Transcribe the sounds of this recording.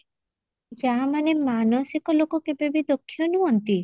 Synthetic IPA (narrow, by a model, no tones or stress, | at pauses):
d͡ʒamanemanosikolokokebebid̪okʰːionuont̪i